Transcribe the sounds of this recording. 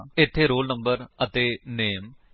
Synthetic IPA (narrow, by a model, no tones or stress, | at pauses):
ɪt̪ʰːeːɾoːlnəmbəɾət̪eːneːm